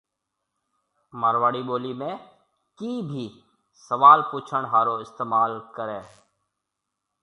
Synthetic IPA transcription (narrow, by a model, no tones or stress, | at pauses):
maːɾʋaːɽiːɓoːliːmẽː | kiːbʱiː | səʋaːlpuːt͡ʃʰəɳ̃ɦaːɾoːɪst̪eːmaːlkəɾẽː